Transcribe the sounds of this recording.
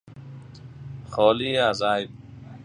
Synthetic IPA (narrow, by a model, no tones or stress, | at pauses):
xɔːliazaːj